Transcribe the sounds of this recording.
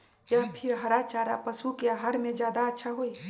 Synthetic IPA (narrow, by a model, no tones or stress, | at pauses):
jaːpʰɪɾɦɐɾat͡ʃaːɾa̰pɐsukeaɦaːɾmẽd͡ʒjaːd̪aɐtːʃʰaɦoːiː